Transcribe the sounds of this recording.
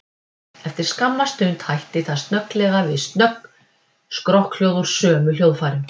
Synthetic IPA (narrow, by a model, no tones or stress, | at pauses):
ɛft̪ɪɾ̥skamːast̪ʏɥnt̪hajht̪ɪθaðst̪nœklɛɣavɪðst̪nœkn | skɾɔhkl̥jowðʏɾ̥sœːmʏljoːwðfaːɾɪm